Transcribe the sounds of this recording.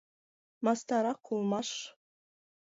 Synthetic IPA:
mɑst̪ɑɾɑqʰːulˠmɑʂ

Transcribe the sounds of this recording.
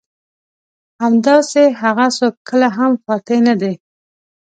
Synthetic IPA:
hamd̪ɑseɦaɣasokʰːəlaɦamfɑʈ̪enad̪e

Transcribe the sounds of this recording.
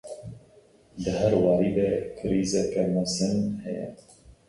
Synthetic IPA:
d̪ɨhæɾwɑːɾiːd̪ɛkʰɨɾiːzɛkɛmasɨnhɛjɛ̰

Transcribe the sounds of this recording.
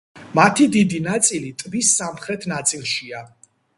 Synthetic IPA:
mat̪ʰid̪id̪inat̪sʼilit̪ʼbisːamχɾɛt̪ʰnat̪sʼilˠʃia

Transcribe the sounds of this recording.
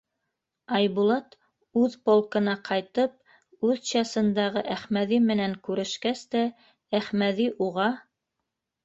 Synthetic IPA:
ɑjβulˠɑt̪ | ʉðpolˠkɤ̆nɑqʰɑjt̪ɤp̚ | ʉðɕɑsɤ̆nd̪ɑʁɤʔæχmæðimɘ̆næŋkʉɾɘ̆ʃkæst̪æ | æχmæðiʔuʁɑ

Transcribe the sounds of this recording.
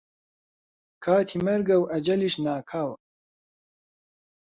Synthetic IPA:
kʰaːt̪ʰiːmɐɾɡɐwʔɐd͡ʒɐliʃnaːkʰaːwɐ

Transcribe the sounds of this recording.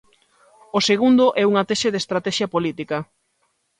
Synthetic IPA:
oseɣund̪ʊʔɛuŋɐt̪ɛʃeðest̪ɾat̪ɛʃjɐpolit̪ikɐ

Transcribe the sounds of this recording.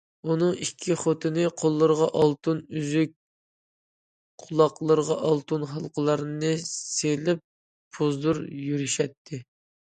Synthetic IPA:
unɨŋikʲʰːiχot̪ʰɨnɨqʰolˠːɨɾʁɑʔɑlˠt̪ɨnyzyk̚ʲ | qʰʊlˠɑqlˠəɾʁɑʔɑlˠt̪unχɑlˠqʰəlˠɑɾnɨselɪp̚ | pʰozd̪uɾjyɾyʃɛt̪ʰːɪ

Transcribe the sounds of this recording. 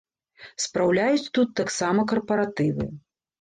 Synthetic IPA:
spɾawlʲajut͡sʲt̪ut̪ːaksamɐkɐrpɐɾat̪ɨvɨ̰

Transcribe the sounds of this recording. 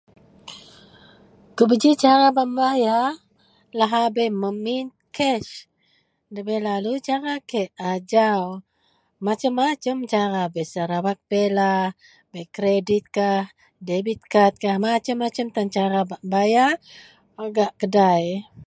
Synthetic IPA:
kəbəd͡ʒit͡ʃaɾabaʔmbaja | laɦabeməmint̪kʰɛʃ | dəbelalut͡ʃaɾakeʔad͡ʒaw | mat͡ʃəmːat͡ʃəmt͡ʃaɾabesaɾawak̚bela | bekɾedit̪̚kah | debit̪̚kat̪̚kahmat͡ʃəmːat͡ʃəmt̪ant͡ʃaɾabaʔmbaja | aɡaʔkədaj

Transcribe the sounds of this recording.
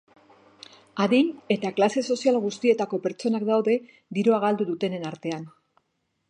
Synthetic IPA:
aðiɲe̞t̪aklase̞so̞sialɣust̪ie̞t̪ako̞pe̞ɾt͡so̞nakd̪awðe̞ | d̪iɾoaɣ̞ald̪uðut̪e̞nenaɾt̪e̞an

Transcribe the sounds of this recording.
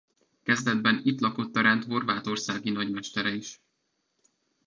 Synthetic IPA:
kɛzd̪ɛd̪bɛnit̪lɒko̞t̪ːɒɾɛnt̪ɦo̞rvaːt̪o̞rsaːɡinɒɟmɛʃt̪ɛɾɛiʃ

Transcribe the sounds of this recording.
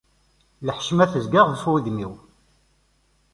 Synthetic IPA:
ləħʃmæθəzɡaʁðəfwiðmiw

